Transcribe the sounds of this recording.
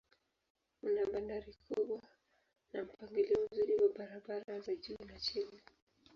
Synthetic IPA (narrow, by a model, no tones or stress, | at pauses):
unaɓandaɾikʰuɓwa | nam̩paŋɡiliɔm̩zuɾiwaɓaɾaɓaɾazaʄuːnat͡ʃini